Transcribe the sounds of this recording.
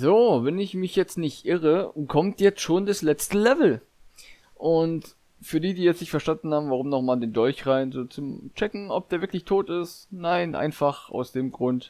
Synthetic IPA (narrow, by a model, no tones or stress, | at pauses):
zoːvɛnɪçmɪçjɛt͡stnɪçtʔɪʁəkʰɔmtjɛt͡stʃoːndaslɛt͡stəlɛvl̩ | ʔʊnt | fyːɐdiːdiːjɛt͡stnɪçtfɛɐʃtandn̩haːbm̩vaʁ̞ʊmnɔχmaːldeːndɔlçʁaɪnzoːt͡sʊmt͡ʃɛkŋ̩ɔp̚d̥eːɐvɪɐklɪçtʰoːtɪstnaɪnʔa̰ɪnfaχʔa̰ʊsd̥eːmɡʁʊnt